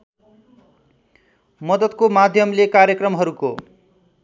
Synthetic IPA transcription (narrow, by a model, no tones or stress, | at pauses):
mʌd̪ʌd̪komad̪ʱjʌmlekaɾjʌkrʌmɦʌɾuko